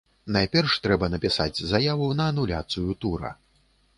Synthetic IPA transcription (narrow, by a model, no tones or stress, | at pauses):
najpʲɛrʂt̪ɾɛbɐnɐpʲisa̰d͡zʲzajavunɐːnulʲa̰t̪sɨjut̪uɾɐ̰